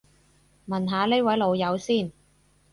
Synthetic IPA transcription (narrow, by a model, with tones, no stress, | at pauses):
mɐ˨˩nɦaː˨˧ne˥wɐ˨˥jlo˨˧wjɐ˨˧wsiː˥˩n